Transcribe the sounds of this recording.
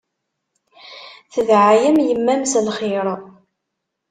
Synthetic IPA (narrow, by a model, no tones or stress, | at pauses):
θəðʕajəmjəmːæmslχɪɾˤ